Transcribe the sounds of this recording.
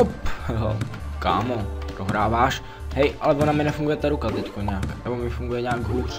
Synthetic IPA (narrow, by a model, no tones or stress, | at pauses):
ophɛloka̰ːmodoɦɾaːvaːʃ | hɛjʔalɛvonamɪnɛfuŋɡujɛt̪aɾukat̪ɛckoɲaːknɛbomɪfuŋɡujɛɲaːɡɦuːr